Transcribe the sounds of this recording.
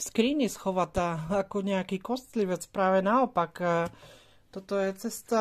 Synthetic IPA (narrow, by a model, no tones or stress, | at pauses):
skɾiːɲisxɔʋat̪aakɔɲɛakiːkɔst̪liʋɛt͡spɾaːʋɛnaɔpakː | t̪ɔt̪ɔjɛt͡sɛst̪a